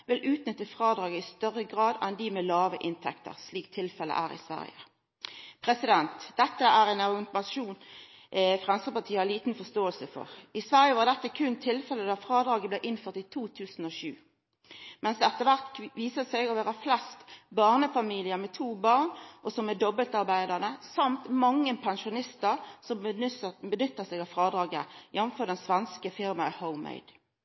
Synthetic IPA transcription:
ʋɪlʔʉːt̪nʏt̪ːəfʁɑːd̪ʁɑːɡəɪst̪œʁːəɡʁɑːd̪ɛnd̪ɪmeːlɑːʋəʔɪnt̪ʰɛ̰kt̪ə̰ʁsliːk̚t̪ʰɪlfɛlə̰ʔæ̰ːʁɪ̰sʋæ̰ʁjə̰ | pʰʁɛsɪd̪ɛnt̪d̪̥ɛt̪ːəæːʁɛːnɑʁɪnt̪mɑʃuːn | fʁɑnskəpɑʁt̪ʰiːəhɑliːt̪n̩fɔst̪oːəlsəfɔ̰ʁɪsʋæʁjəʋɑːʁd̪ɛt̪ːəkʰʉnt̪ʰɪlfɛləd̪ɑfʁɑːd̪ɾɑːɡəblɛːʔɪnføːʁt̪it̪ʰuːt̪ʰʉːsn̩oʃʉ̰ː | mɛnsd̪ɛɛt̪ːəʋæʁt̪ʋiːsəsɛɪɡɔʋæːʁəflɛst̪bɑːʁnəfɑmiːlɪəmɛt̪ʰuːbɑːʁnʔɔsɔmːɛd̪ɔbəlt̪ɑʁbæɪd̪əʁnəsɑmt̪mɑŋːənpʰɛnʃʊnɪst̪əʁsɔmbənʏt̪ːəsɛɡɑʋfʁɑːd̪ɾɑːɡə̰jɛnfɔd̪ɛnsʋɛnskəfɪɾmɑhəʊmḛɪd̪̥

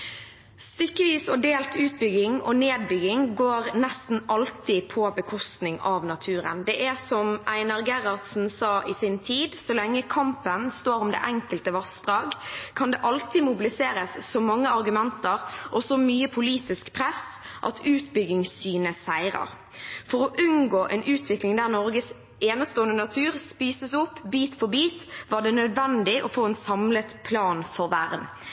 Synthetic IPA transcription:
st̪ʏkːəʋiːsɔd̪eːlt̪ʰʉːt̪bʏɡɪŋɔneːd̪̚bʏɡɪŋɡoːɾnɛst̪n̩ʔɑlt̪ɪpʰɔbəkʰɔst̪nɪŋɑʋnɑt̪ʰʉːɾə̰nd̪ɛʔɛsɔmʔæɪnɑʁɡɛʁɑʁt̪sn̩sɑːʔɪsɪnt̪ʰiːd̪sɔlɛŋːəkʰɑmpənst̪oːɾʊmd̪ḛːʔɛŋkəlt̪əʋɑsd̪ʁɑːɡkʰɑnd̪ɛʔɑlt̪ɪmʊbɪlɪseːɾəsːɔmɑŋːəɑʁɡʉmɛnt̪əʁʔɔsɔmyːəpʰʊliːt̪ɪskpʰʁɛsʔɑ̰t̪ʰʉːt̪bʏɡɪŋsːyːnəsæɪʁə̰ʁ | fɔʁɔʔʉnɡoːʔɛnʔʉːt̪ʰʋɪklɪŋd̪æːʁnɔɾɡəs | eːnəst̪oːənənɑt̪ʰʉːʁspiːsəsʊpːbiːt̪fɔbiːt̪ʋɑːɖ̪ɛnœd̪ʋɛnd̪ɪʔɔfoːɛnsɑmlət̪pʰlɑːnfɔʁʋæɾən

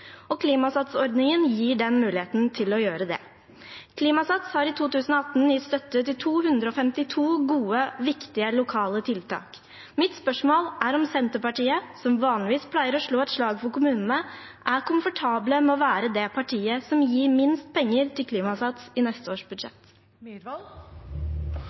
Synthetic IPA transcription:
ɔkʰliːmɑsɑt̪sɔɾd̪nɪŋənjiːɖɛnmʉːlɪheːt̪nt̪ʰɪlɔjøːɾəd̪ɛ̰ | kʰliːmɑsɑt̪shɑɾɪt̪ʰuːt̪ʉːsn̩ɔɑt̪n̩ɪt̪st̪œt̪ːət̪ɪlt̪ʰuːhʉnd̪ɾəɔfɛmt̪ɪt̪ʰuːɡuːəʋɪkt̪ɪəlʊkʰɑːlət̪ʰɪlt̪ʰɑ̰ːk | mɪt̪spœʂmoːlʔæɾɔmsɛnt̪əpɑʈiːəsɔmʋɑːnlɪʋiːspʰlæɪəɾɔʂɭoːɛt̪ʂɭɑːɡfɔɾkʊmʉːnn̩ə | ʔæɾkʰʊmfɔʈʰɑːbləmɛɔʋæːɾəd̪ɛpʰɑʈʰiːəsɔmjiːɾmɪnst̪̚pʰɛŋːəɾt̪ɪlkʰliːmɑsɑt̪sɪnɛst̪əoːʂbʉd̪ʂɛ̰t̪

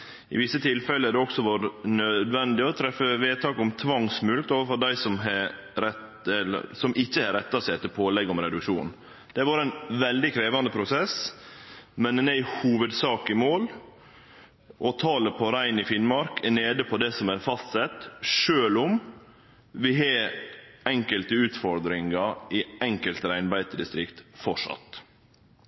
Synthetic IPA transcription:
ɪ̰ʋɪsːət̪ʰɪlfɛləæɾd̪ɛɔksɔʋɑɾnœd̪ʋɛnd̪ɪɔt̪ʰɾɛfəʋeːt̪ʰɑːkɔmt̪ʰʋɑŋsmʉlt̪oːʋəfɔɾd̪æɪsɔmɦɛ | ɾɛt̪ | ɛlə̰sɔmʔɪçːəhɛɾɛt̪ːɑsæɛt̪ːəpʰoːlɛɡːɔmɾɛd̪ʉkʂuːn | d̪̥ɛʋɑːɾæɪnʋɛld̪ɪkʰɾeːʋɑnd̪əpʰɾʊsɛs | mɛnd̪ɛnæɪhuːʋəd̪sɑːkəɪmoːl | ʔɔt̪ʰɑːləpʰɔɾæɪnɪfɪnmɑɾkʰæneːd̪əpʰɔd̪ɛsɔmæɾfɑst̪sɛt̪ːʂøːlʊm | ʋɪɦɑ | ɛŋkəlt̪əʉːt̪fɔɾd̪ɾɪŋɑɪɛŋkəlt̪əɾæɪnbæɪt̪d̪ɪst̪ɾɪkt̪fɔʂɑ̰t̪

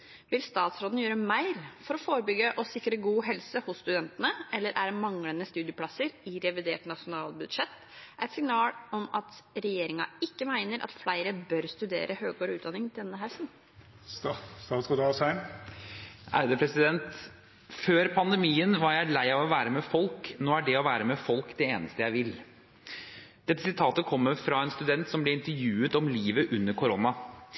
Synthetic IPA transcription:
ʋɪlst̪ɑːt̪sɾoːd̪n̩jøːɾəmæɪɾfɔɾɔfoːɾəbʏɡːəʔɔsɪkːɾəɡuːɦɛlsəhʊsst̪ʉd̪ɛnt̪ənəɛlːəɾʔæɖmɑŋlənəst̪ʉːd̪ɪəpʰɽɑsəɾɪɾɛʋɪd̪ḛːʈnɑʂʊnɑːlbʉd̪ʂɛt̪ː | ʔæ̰ɪt̪sɪŋnɑːlɔmɑt̪ɾɛjeːɾɪŋɑ̰ɪkːəmæɪnəɾʔɑ̰t̪flæɪɾəbœɾst̪ʉd̪ḛːɾʔəhøːɡ̚koːɾʉːt̪d̪ɑnɪŋd̪ɛnːəɦɛlsn̩ | st̪ɑːt̪skɔd̪ɑsæɪn | ʔæ̰ɾd̪əpʰɾɛsɪd̪ɛnt̪ | føːɾpʰɑnd̪ɛmiːənʋɑɾjæɪæɭæɪɑʋɔʋæːɾəmɛfɔlknoːæɖɛɔʋæːɾəmɛfɔlkd̪ɛeːnəst̪əjæɪʋɪl | d̪̥ɛt̪ːəsɪt̪ʰɑːt̪əkʰɔmːəɾfɾɑɛnst̪ʉd̪ɛnt̪sɔmblɛɪnt̪əɾjʉːət̪ɔmliːʋəʔʉnːəɾkʰʊɾonɑ

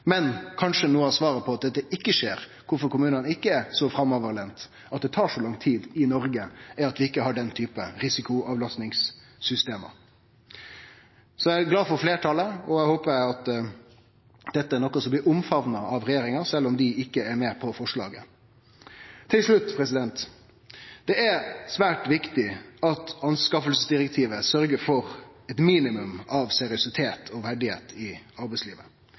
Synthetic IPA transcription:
mɛnkʰɑnʂənuːəɑsʋɑːɾəpʰɔɑt̪̚d̪ɛt̪ːəɪkːəʂeːɾ | kʰʊɾfɔɾkʊmʉːnənəɪkːəɛɾsɔfɾɑmɔʋəɾleːnt̪ | ɑt̪̚d̪ɛt̪ʰɑːʂɔlɑŋt̪ʰiːd̪ɪnɔɾɡəɛɾɑt̪ʋɪɪkːəhɑɖɛnt̪ʰyːpəɾɪsɪkʊʔɑːʋlɑst̪nɪŋsː | ʏst̪eːmə̰ | sɔæɪɡlɑːfɔɾfleːʈʰɑləɔæɪhoːpəæɑt̪ | d̪̥ɛt̪ːəæɾɳɔkːɔsɔmb̪ɪːɾʊmfɑʋnɑʔɑʋɾɛjeːɾɪŋɑɾsɛlːɔmd̪ɪɪkːəæɾmeːpʰɔfɔʂɭɑ̰ːɡə̰ | t̪ʰːɪlʂɭʉt̪ːpʰɾɛsɪd̪ɛnt̪ | d̪̥ɛʔæɾsʋæːʈʋɪkt̪ɪɑt̪ɑnskɑfəlsəsd̪ɪɾɛk̚t̪ʰiːʋəsœɾɡəɾfɔɾɛt̪miːnɪmʉmɑʋsɛɾɪʊsɪt̪ʰeːt̪ʰɔʋæɖɪhḛːt̪ʰɪɑɾbɛɪsliːʋə̰

